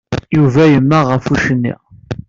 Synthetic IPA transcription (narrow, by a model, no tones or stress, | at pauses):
juvæjəmːæʁəfuʃənːḭʁ